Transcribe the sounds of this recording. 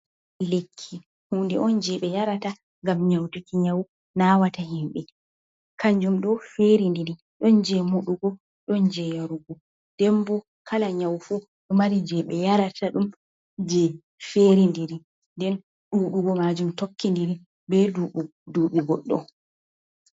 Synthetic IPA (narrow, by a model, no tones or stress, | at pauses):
ʔilekʰːi | hundɛʔɔnd͡ʒɛɓɛjaɾata | ŋɡamɲawtukiɲaw | nawatahimɓɛ | kaɲd͡ʒumɗɔfeɾindiɾi | ɗɔnd͡ʒɛmuɗuɡɔ | ɗɔnd͡ʒɛjaɾuɡɔ | d̥ɛmbɔ | kʰalaɲawfu | ɗɔmaɾid͡ʒɛɓɛjaɾataɗum | d͡ʒɛ | feɾindiɾi | ndɛn | ɗuːɗuɡɔmad͡ʒumtokʰːindiɾi | bɛdu | duːɓuɡɔɗːɔ̰